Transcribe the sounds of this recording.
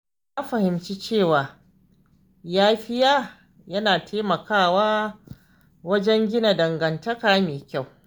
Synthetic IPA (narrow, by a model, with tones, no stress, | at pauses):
jaː˦ɸɐ˨hɪ˨mt͡ʃi˦t͡ʃeː˦˨waː˨ | jaː˦ɸɪ˦jaː˦ | jɐ˦naː˨tʰeː˦mɐ˨kʰaː˦˨waː˦ | wɐ˦d͡ʒɛ˦ŋɡʲɪ˦na˨dɐ˨ŋɡɐ˨ntɐ˦kaː˨˦meː˨kʲa˦˨w